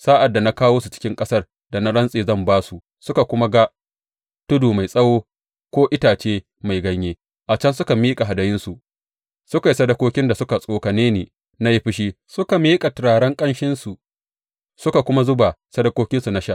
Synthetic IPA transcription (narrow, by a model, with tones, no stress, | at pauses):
saː˦ʔa˨dːa˨na˦kaː˦woː˦su˨t͡ʃɪ̥˦kʲɪ˦ŋkʼɐ˦sɐ˦r | da˨na˦ɽɐ˦nsʼeː˨zɐ˦˨mbaː˦su˨ʔ | sʊ˦ka˨kʷʊ˦ma˦ɡa˦ | tʊ˦duː˨ma˨jsʼɐ˦woː˦ | kʷoː˦ʔɪ˦taː˨t͡ʃeː˦ | ma˨jɡɐ˦ɲjeː˦ | ʔa˨t͡ʃɐ˦nsʊ˦ka˨miː˦kʼa˨ɦa˨dɐ˨jɪ˦nsu˨ | sʊ˦ka˨ji˨sɐ˦dɐ˦kʷoː˦kʲɪ˦nda˨sʊ˦ka˨sʼoː˦ka˨neː˦neː˨ | na˦ji˦ɸɪ˦ʃ̬iː˦ | sʊ˦ka˨miː˦kʼa˨tɪ˨ɽaː˨ɽɐ˦ŋkʼɐ˦nʃɪ˦nsu˨ʔ | sʊ˦ka˨kʷʊ˦ma˦zʊ˦ba˨sɐ˦dɐ˦kʷoː˦kʲɪ˦nsu˨na˦ʃa˦ʔ